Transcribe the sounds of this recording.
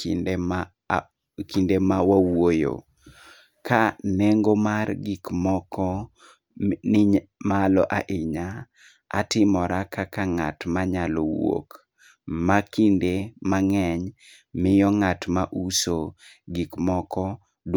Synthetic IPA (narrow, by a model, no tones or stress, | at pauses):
kindemawawojo̰ | kaneŋɡomarɡikmɔkɔ | malɔʔaʔɪɲa̰ː | tɪmɔɾakakaŋa̰tmaɲalɔwo̰k | makindemaŋɛɲ | mɪjɔŋatmaʔuso | ɡikmɔkʰɔ | d